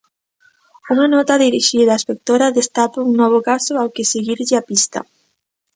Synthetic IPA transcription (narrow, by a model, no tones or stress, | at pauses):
uŋanɔt̪ɐðiɾiʃiðɐespek̚t̪oɾaðest̪apouŋnɔβ̞ʊkasʊawkɪseɣiɾʎɪapist̪ɐ̰